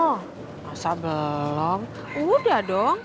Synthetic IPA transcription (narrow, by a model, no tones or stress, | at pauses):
asabəlɔm | udahdɔŋ